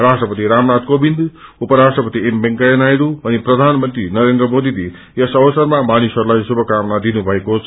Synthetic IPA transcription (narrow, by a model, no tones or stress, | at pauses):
rasʈrʌpʌt̪iɾamnat̪kobind̪upʌɾasʈrʌpʌt̪iembeŋkajenajɾuʌniprʌd̪ʱanmʌnt̪rinʌɾend̪rʌmod̪idi | jesʌbʌsʌrmamanisʌɾulajsubʱʌkamnad̪inubʱʌekot͡sʰ